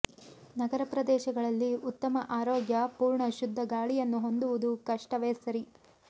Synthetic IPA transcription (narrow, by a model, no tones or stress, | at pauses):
nɐɡɐɾɐpɾɐd̪ɛːʃɐɡɐɭɐlːiut̪ːɐmɐʔaːɾoːɡjɐpuːɾɳɐʃud̪ʱːɐɡaːɭijɐnːuɦo̞nd̪uʋud̪ukɐʂʈɐʋɛːsɐɾi